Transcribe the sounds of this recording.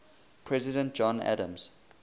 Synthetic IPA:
pʰɹɛzɪdə̃nt̚d͡ʒɔ̃næ̰də̃mz̥

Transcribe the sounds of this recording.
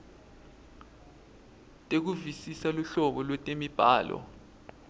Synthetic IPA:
tʼek̬uvisisaluɬɔɓɔlwɛtʼemib̥ʱaːlɔ̰

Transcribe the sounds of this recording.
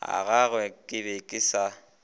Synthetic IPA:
a̰ɣaɣwɛkʼɪbekʼɪsa

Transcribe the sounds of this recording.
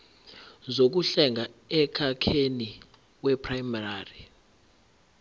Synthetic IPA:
zok̬uɬɛŋɡʱaɛkʰakʰeni | kwɛpʰʼrajmaraːri

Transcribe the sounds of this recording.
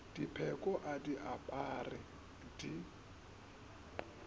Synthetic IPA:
d̥ipʰɛkʼɔʔadiʔapʼarɪ | di

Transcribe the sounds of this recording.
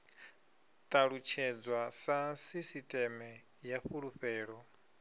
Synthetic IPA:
t̪ʼaɺut͡ʃʰɛd͡zwasasisitʼɛmɛ | jaɸuɺuɸɛːɺɔ

